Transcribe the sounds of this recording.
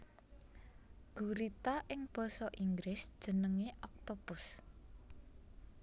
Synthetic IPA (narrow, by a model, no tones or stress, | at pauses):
ɡ̥uɾit̪aʔɪŋb̥ɔ̤sɔʔiŋɡɾɪsd̥ʒ̥ə̤nəŋeʔɔk̚t̪ob̥ʊs